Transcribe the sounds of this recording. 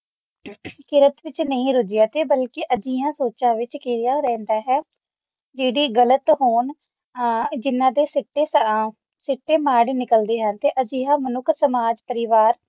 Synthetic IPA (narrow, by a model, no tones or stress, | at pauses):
kɪɾət̪ʋɪt͡ʃnəĩːɾʊd͡ʒɪjaːt̪eːbəlkɪʔəd͡ʒiːjãːsoːt͡ʃãːʋɪt͡ʃkeːɾɪjãːɾɛ̃ːnd̪aːɦɛː | d͡ʒeːɽiːɡələt̪ɦoːɳ | d͡ʒɪnːãːd̪eːsɪʈːeːs | sɪʈːeːmaːɽnɪkəld̪eːɦənt̪eːʔəd͡ʒiːɦãːmənʊkʰːsəmaːd͡ʒpəɾɪʋaːɾ